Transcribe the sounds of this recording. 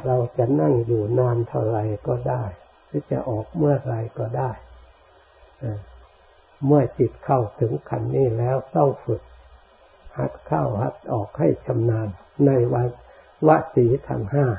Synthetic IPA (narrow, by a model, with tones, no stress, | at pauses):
ɾa˧wt͡ɕa˨˩ʔna˥˩ŋjuː˨˩naː˧nt̪ʰa˧˩wɾa˧˩jkɔː˧˩daː˥˩j | siː˦˥˦t͡ɕa̰˨˩ʔɔː˨˩k̚mɯ˥˩ɐɾa˧jkɔː˧˩daː˥˩j | ʔaː˧˩ | mɯ˥˩ɐət͡ɕi˨˩t̪̚kʰa˨˩wt̪ʰɯ˩˦ŋkʰa˧nːiː˥˩lɛː˦˥wt̪ɔ˥˩ŋfɯ˨˩k̚ | ha˨˦t̪̚kʰa˥˩wha˨˦t̪̚ʔɔː˨˩k̚ha˥˩jt͡ɕʰa˧mnaː˧nː | a˧jwa˧n | wa˦˥ʔsiː˩˦t̪ʰa̰˧˩ŋhaː˥˩